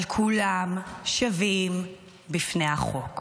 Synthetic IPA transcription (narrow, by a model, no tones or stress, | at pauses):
lkʰulamʃavim | bifnehaχok